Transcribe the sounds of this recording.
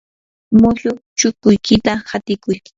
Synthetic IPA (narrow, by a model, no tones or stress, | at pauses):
mʊʎʊt͡ʃʊkʊjkɪt̪ahat̪ɪkʊj